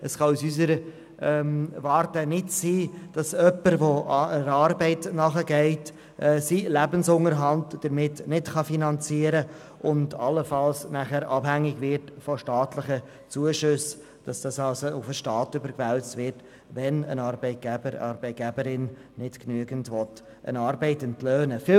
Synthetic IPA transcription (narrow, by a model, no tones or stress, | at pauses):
əsχɑusys̬əɾə | ɛmvɑːɾtənɪtsiːd̥ɑsœpːəɾʋoəɾɑːɾbɛɪtnɑχəɡɛɪt | ʔsilæbənsʊŋəɾɦɑntd̥əɾmɪtnɪtχɑfinɑnt͡siːəɾə | ʔʊndɑlːəfɑlsnæχæɾɑbhæŋːɪɡvɪɾtfɔʃtɑːtlɪχə | t͡suəʃʏs | d̥ɑsd̥ɑsɑlsoʊfəʃtɑːtʏbəɾkvælt͡stʋɪɾt | ʋɛnə̰nɑɾbɛɪt̚ɡ̥æbəɾ̰ɑːɾbɛɪt̚ɡ̥æbəɾɪnnɪd̥knyəɡən̩tʋɔt | ʔə̰nɑːɾbɛɪtəntløːnəfɪ